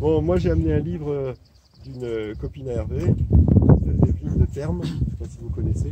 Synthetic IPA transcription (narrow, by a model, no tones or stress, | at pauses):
bɔ̃mwaʒeamneɛ̃livʁə | d̪ynøkɔpinaɛʁve | sazɛvid̪ət̪ɛʁmʃepasivukɔnɛse